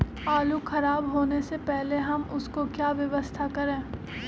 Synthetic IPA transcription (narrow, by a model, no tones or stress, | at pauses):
aːluxʰɐɾaːbɦoːnesepɛɦleɦɐmʊskokjaːʋjɐʋəst̪ʰakɐɾẽː